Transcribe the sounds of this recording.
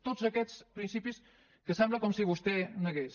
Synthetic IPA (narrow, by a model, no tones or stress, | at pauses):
t̪ozəkɛt͡spɾinsipis | kəsɛmbləkɔmsiβust̪ɛnəɣes